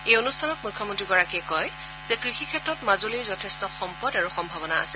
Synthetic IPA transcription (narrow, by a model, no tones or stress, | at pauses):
ejonustʰanɔk̚mujkʰːɔmɔntɹiɡɔɹakiɛkɔj | z̥ɛkɹixikʰɛtɹɔtmazoliɹzɔtʰɛstɔxɔmpɔdaɹuxɔmbʱabɔna̰ːsɛ